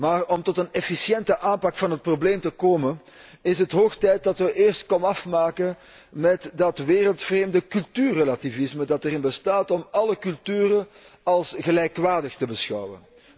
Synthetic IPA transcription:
maːrɔmtɔtənɛfisjɛntəʔaːnpɑkfɑnɦət̚probleːmtəkoːmən | ɪsɦətɦoːxtɛjt̚dɑtʋəʔeːrstkɔnəɑfmaːkən | mɛtdɑtʋeːrəlˠtfreːmdəkɵlˠtyːrːəlativɪsmədɑtəɾɪnbəstaːtɔmɑləkɵlˠtyːrəɑlˠsɣəlɛjkʋaːrdəxtəbəsxɑ̰wə̰n

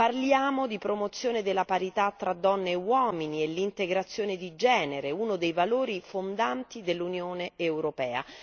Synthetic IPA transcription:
parljaːmod̪ipɾomot̪sːjoːned̪elːapaɾit̪at̪ːɾad̪ːɔnːeːwɔːminielːint̪eɡɾat̪sːjoːned̪id͡ʒɛːneɾeunod̪ejvaloːɾifond̪ant̪id̪elːunjoːneːwɾopɛːa̰

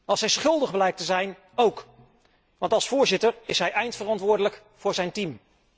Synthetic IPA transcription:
ɑlˠsɦɛjsχɵlˠdəχblɛjk̚təzɛjn | owk | ʋɑntɑlˠsfʊːɹzɪtəɹɪsɦɛjɛjntfərɑntʋʊːɹdələk | fʊːɹzɛjntim

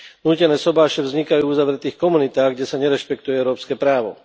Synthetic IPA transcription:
nuːcɛnɛːsɔbaːʃɛvzɲikajuːuzaʋɾɛt̪iːxkɔmunit̪aːɣɡɟɛsaɲɛɾɛʃpɛk̚t̪ujɛɛʊɾɔːpskɛːpɾaːʋɔ̰

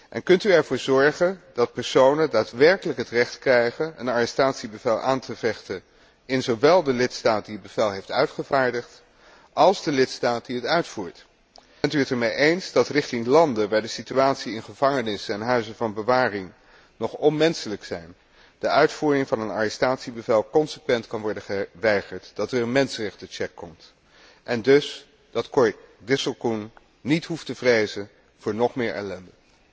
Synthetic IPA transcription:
ʔɛ̰nkɵntyɛɹvʊːɹzɔɹχənd̥ɑt̚pɛɹsownədaːtʋɛɹkələkɦətrɛχtkrɛjχənənaɹəstaːtsibəvɛlˠʔaːntʰəvɛχtən | ɪnzowʋɛlˠdəlɪtstaːt̚diəd̚bəvɛlˠɦejftœɥtχəvaːɹdəχt | ʔɑlˠzdəlɪtstaːt̚diɦətœɥtfuːɹt | ɛntyətɛɹmejʔejnzdɑtrɪχtɪŋlɑndənʋaːɹdəsityaːtsiɪnχəv̥ɑŋənɪsəɛnɦœɥzənvɑnbəʋaːrɪŋ | nɔχɔnmɛnsələksɛjn | d̥əʔœɥtfuːrɪŋvɑnəna̰ːrəstaːtsibəvɛlˠkɔnsəkʋɛntkɑnʋɔɹdəχəʋɛjχəɹtd̥ɑtəɹənmɛnsərɛχtət͡ʃɛkːɔmt | ʔɛndɵs | d̥ɑtkɔɹdɪsəlˠkunː | itɦuftəvrejzən | v̥ʊːɹnɔχmɪːɹɛ̰lɛndə

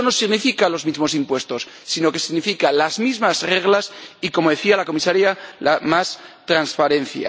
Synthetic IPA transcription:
no̞siɣnifikalo̞zmizmo̞s̬impwe̞st̪o̞sːino̞ke̞siɣnifikalazmizmazreɣ̞lasiko̞mo̞ðe̞θialako̞misaɾjalamast̪ɾanspaɾe̞n̟θja̰

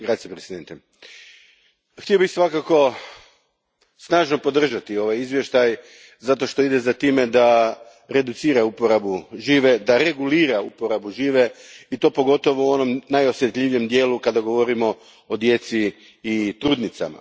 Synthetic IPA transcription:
ɡɾasepɾesid̪ent̪e | xt̪iobixsʋakako̞ | snaːʒno̞po̞d̪r̩ʒat̪io̞ʋajizʋje̞ʃt̪aj | zat̪o̞ʃt̪o̞id̪ezat̪iːme̞d̪a | ɾe̞d̪ut̪siːɾaupo̞ɾabuʒiːʋe̞d̪aɾe̞ɡuliːɾaupo̞ɾabuʒiːʋe̞it̪o̞po̞ɡo̞t̪o̞ʋouo̞no̞mnajo̞sje̞t̪ʎʲiʋijemd̪je̞ːlukad̪aɡo̞ʋo̞ɾimo̞ | od̪je̞t̪siː | t̪ɾuːd̪nit̪sa̰ma̰

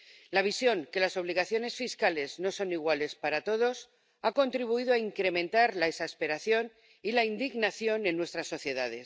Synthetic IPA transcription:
laβ̞isjo̞ŋke̞laso̞β̞liɣ̞aθjo̞ne̞sfiskale̞zno̞so̞niɣwale̞spaɾat̪o̞ð̞o̞s | ako̞nt̪ɾiβuiðoaiŋkɾe̞mẽnt̪aɾlaesaspe̞ɾaθjo̞n | ilaind̪iɣnaθjo̞nẽ̞nːwe̞st̪ɾasːo̞θje̞ðaðe̞s

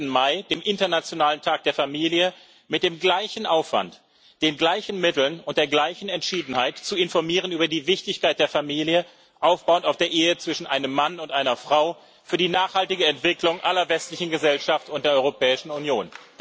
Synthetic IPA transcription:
n̩maɪd̥eːmʔɪntɐnat͡sjonaːləntʰaːk̚d̥eːɐfamiːljə | mɪt̚d̥eːmɡlaɪçn̩ʔaʊfv̥a̰nt | d̥eːnɡlaɪçn̩mɪtl̩nʊnt̚d̥eːɐɡlaɪçn̩ɛntʃiːdn̩haɪtt͡suɪnfɔɐmiːʁ̞ənyːbɐdiːvɪçtɪçkaɪt̚d̥eːɐfamiːljə | ʔaʊfb̥aʊəntaʊfd̥eːɐʔeːət͡sv̥ɪʃn̩ʔaɪnəmːanʊntʔaɪnɐfʁ̥aʊ | fyːɐdiːnaːχhaltɪɡəɛntv̥ɪklʊŋʔalɐvɛstlɪçn̩ɡəzɛlʃaftʊnt̚deɐɔʁopʰɛːɪʃn̩unjoːn

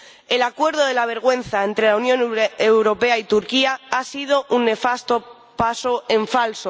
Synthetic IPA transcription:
e̞lakwe̞ɾð̞oð̞e̞laβ̞e̞ɾɣ̞wẽ̞n̟θaent̪ɾe̞launjonewɾo̞pe̞ait̪uɾkiaasið̞o̞ʔunːe̞fast̪o̞ | paso̞e̞ɱfalso

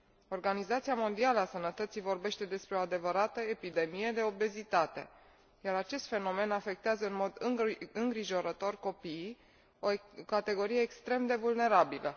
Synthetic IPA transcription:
o̞rɡanizat̪siamo̞nd̪ialəasənət̪ət̪sijvo̞rbe̞ʃt̪e̞d̪e̞spɾe̞o̞ad̪e̞vəɾat̪əe̞pid̪e̞mije̞d̪e̞o̞be̞zit̪at̪e̞̰ | jaɾat͡ʃe̞st̪fe̞no̞me̞nafe̞k̚t̪eazəɨnmo̞d̪ɨɨŋɡɾiʒo̞ɾət̪o̞rko̞piː | okat̪e̞ɡo̞ɾije̞ːkst̪ɾe̞md̪e̞vulne̞ɾabilə

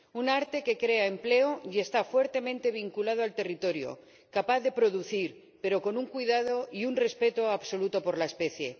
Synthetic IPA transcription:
unaɾt̪e̞ke̞kɾe̞aemple̞oje̞st̪afwe̞ɾt̪e̞mẽnt̪e̞β̞iŋkulað̞oalt̪e̞rit̪o̞ɾjo̰ | kapaθððe̞pɾoðuθiɾ | pe̞ɾo̞ko̞nuŋkwiðað̞oiunre̞spe̞t̪oaβso̞lut̪o̞po̞ɾlaespe̞θje̞

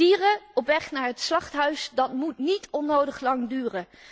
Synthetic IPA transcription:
iːrəɔpʋɛχnaːɹɦətslɑχtɦœɥsdɑtmutnitɔnowdəχlɑŋdyːrə

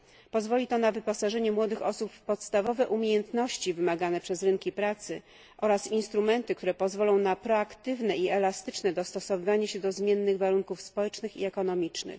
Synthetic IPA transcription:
pɔzvɔlʲit̪ɔnavɘpɔsaʐɛɲɛmwɔd̪ɘxɔsupːɔt̪st̪avɔvɛʔumʲjejɛnt̪nɔɕt͡ɕivɘmaɡanɛpʂɛzɾɘŋkʲipɾat̪sɘ | ʔɔɾasinst̪ɾumɛnt̪ɘk̚t̪uɾɛpɔzvɔlɔ̃w̃napɾɔakt̪ɘvnɛiɛlast̪ɘt͡ʂnɛd̪ɔst̪ɔsɔvɘvaɲaɕɛd̪ɔzmʲjɛnːɘɣvaɾuŋkufspɔwɛt͡ʂnɘxḭɛkɔnɔmʲit͡ʂnɘ̰x

